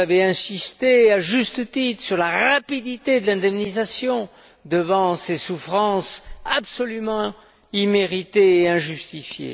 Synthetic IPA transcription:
avɛɛ̃sist̪eaʒyst̪ət̪it̪χsyʁlaʁapid̪it̪ed̪əlɛ̃d̪ɛmnizasjɔ̃ | d̪əvɑ̃sesufχɑ̃sapsɔlymɑ̃ | imeʁit̪eːɛ̃ʒyst̪ifjḛ

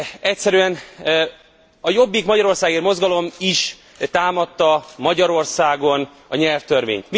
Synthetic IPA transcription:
ɛcsɛɾyɛn | ɒjo̞bːikmɒɟɒɾo̞rsaːɡirmo̞zɡɒlo̞miʃ | t̪aːmɒt̪ːɒmɒɟɒɾo̞rsaːɡo̞n | ɒɲɛlft̪ørʋḛːɲt̪mi

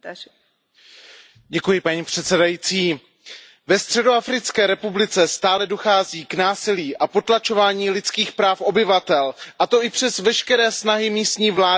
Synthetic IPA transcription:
ɟɛkujɪpaɲiːpr̝̥ɛt̪sɛdajiːt͡siː | vɛst̪r̝̥ɛdo̞afɾɪt͡skɛːɾɛpublɪt͡sɛst̪aːlɛdo̞xaːziːknaːsɪliːʔapo̞t̪lat͡ʃo̞vaːɲiːlɪt͡skiːxpɾaːfʔo̞bɪvat̪ɛlʔat̪o̞ʔɪpr̝̥ɛzvɛʃkɛɾɛːsnaɦɪmiːst̪ɲiːvlaː

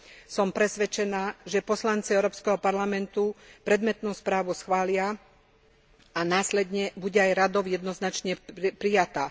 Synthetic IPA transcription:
sɔmpɾɛsʋɛt͡ʃɛnaːʒɛpɔslant͡siɛʊɾɔːpskɛɦɔpaɾlamɛnt̪upɾɛd̪mɛt̪nuːspɾaːʋusxʋaːlɪa | anaːslɛd̪ɲɛbuɟɛajɾad̪ɔʊjɛd̪nɔznat͡ʃɲɛpɾijat̪aː

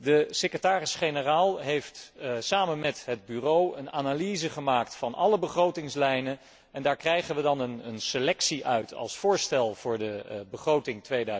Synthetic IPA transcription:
dəsekətaːrɪsχenəraːlˠɦejftsaːmənmɛtɦəd̚byrowənaːnalizəχəmaːktfɑnɑləbəχrowtɪŋslɛjnə | ɛndaːɹkrɛjχənʋədɑnənənselɛksiʔœɥtʰɑ̰lˠsfʊːɹstɛlˠvʊːɹdəbəχrowtɪŋtʋejdœ

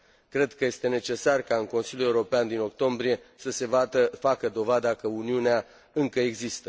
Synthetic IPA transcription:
kɾe̞d̪kəje̞st̪e̞ne̞t͡ʃe̞sarkaɨŋko̞nsiljule̞uɾopeand̪ino̞k̚t̪o̞mbɾije̞səse̞vat̪əfakəd̪o̞vad̪akəuniunea | ɨŋkəe̞ɡzist̪ə

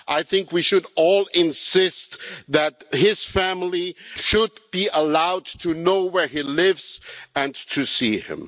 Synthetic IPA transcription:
ʔaɪθɪ̃ŋkwiʃɨɾɔlˠɪ̃nsɪstðɨt̚hɪz̥fæml̩iʃʊd̚b̥iəlaʊd̚tʰɨnoʊwə˞ilɪvz̥ɨ̃ntʰɨsiɪ̰̃m

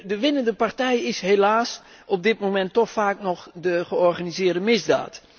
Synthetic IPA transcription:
dəʋɪnəndəpartɛjɪsɦelaːs | ɔb̚dɪtmomɛntːɔxfaːknɔxdəɣəɔrɣanizɪərdəmɪzda̰ːt

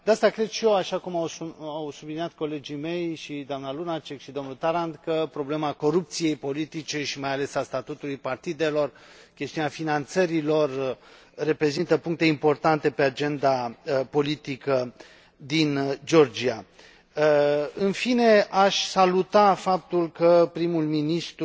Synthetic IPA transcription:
d̪east̪akɾe̞d̪ʃijoaʃakumawawsublinijat̪̚ko̞le̞d͡ʒime̞jʃid̪oamnalunat͡ʃe̞kʃid̪o̞mnult̪aɾand̪kəpɾo̞ble̞mako̞ɾup̚t̪sije̞jpo̞lit̪it͡ʃe̞ʃimajale̞sast̪at̪ut̪ulujpart̪id̪e̞lo̞r | kʲe̞st̪iuneafinant̪səɾilo̞rː | e̞pɾe̞zint̪əpuŋk̚t̪e̞impo̞rt̪ant̪e̞pe̞ad͡ʒe̞nd̪apo̞lit̪ikə | d̪ind͡ʒo̞rd͡ʒia | ɨnfine̞aʃʲsalut̪afap̚t̪ulkəpɾimulminist̪

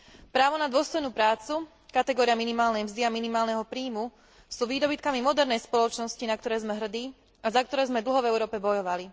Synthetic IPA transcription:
pɾaːʋɔnad̪ʊɔst̪ɔjnuːpɾaːt͡su | kat̪ɛɡɔːɾijaminimaːlnɛjmzd̪iaminimaːlnɛɦɔpɾiːmu | suːʋiːd̪ɔbit̪̚kamimɔd̪ɛɾnɛjspɔlɔt͡ʃnɔscinakt̪ɔɾɛːzmɛɦr̩d̪iː | azak̚t̪ɔɾɛːzmɛd̪l̩ɦɔvɛʊɾɔːpɛbɔjɔʋali

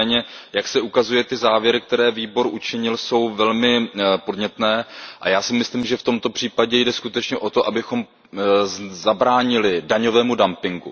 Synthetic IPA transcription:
ɛːɲɛjaksɛʔukazujɛt̪ɪzaːvjɛɾɪk̚t̪ɛɾɛːviːbo̞ɾʔut͡ʃɪɲɪlso̞wvɛlmɪpo̞dɲɛt̪nɛːʔajaːsɪmɪsliːmʒɛft̪o̞mt̪o̞pr̝̥iːpaɟɛjdɛskut̪ɛt͡ʃɲɛʔo̞t̪o̞ʔabɪxo̞m | zabɾaːɲɪlɪdaɲo̞vɛːmudampɪŋɡṵ

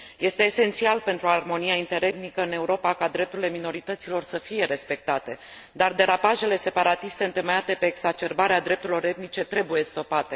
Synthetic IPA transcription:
je̞st̪e̞ːse̞nt̪sialpe̞nt̪ɾuarmo̞nijaint̪e̞ɾe̞t̪̚nikəɨne̞uɾo̞pakad̪ɾe̞p̚t̪uɾile̞mino̞ɾit̪ət̪silo̞rsəfije̞ɾe̞spe̞k̚t̪at̪e̞ | d̪ard̪e̞ɾapaʒe̞le̞se̞paɾat̪ist̪eɨnt̪eməjat̪e̞pe̞ːɡzat͡ʃe̞rbaɾead̪ɾe̞p̚t̪uɾilo̞ɾe̞t̪mit͡ʃe̞t̪ɾe̞buje̞st̪o̞pat̪e̞

